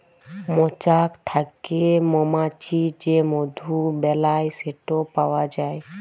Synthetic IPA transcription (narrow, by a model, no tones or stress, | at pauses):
mɔt͡ʃakt̪ʰakemɔmat͡ʃid͡ʒemod̪ʱubɛlajseʈopawad͡ʒae